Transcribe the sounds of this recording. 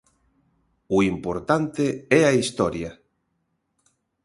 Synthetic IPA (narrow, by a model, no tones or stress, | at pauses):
uimpoɾt̪ant̪eɛaist̪ɔɾja